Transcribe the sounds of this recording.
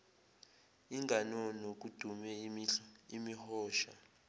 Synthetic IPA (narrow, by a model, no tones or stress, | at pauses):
iŋɡʱanɔnok̬ud̥ʱumɛ | imihɔːʃa̰